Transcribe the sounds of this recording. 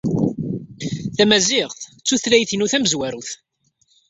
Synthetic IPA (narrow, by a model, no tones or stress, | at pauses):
θæmæziʁθt͡sːuθlæjθinuθæməzwæɾuθ